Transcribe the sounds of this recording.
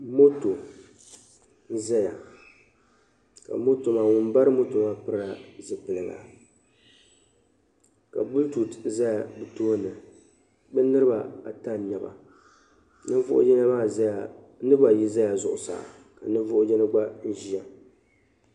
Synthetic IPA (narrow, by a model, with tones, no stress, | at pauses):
mo˦to˨˦ | za˦ja˨ | ka̰˨mo˦to˨maː˨wʊ˨m˦ba˦ɾɨ˦mo˦to˨maː˦pɨ˦ɾa˨zɨ˨pɨ˨lɨ˨ɡa̰˨ | ka̰˨bu˦ltu˨tza˦ja˨bɨ˨toː˦˨nɨ˨ | bɨ˦nɨ˦ɾɨ˦ba˨a˨ta˦n˨ɲa˨ba̰˨ | nɨ˦vʊ˦ʔʊ̰˦d͡ʒɛ˦na˦maː˦˨za˦ja˨ | nɨ˦ba˨ji˦za˦ja˨zʊ˨ʔʊ˨sa̰ː˨ | ka˨nɨ˦vʊ˦ʔʊ˦d͡ʒɛ˦nɨ˦ɡ͡ba˦n̩˦ʒi˦a˨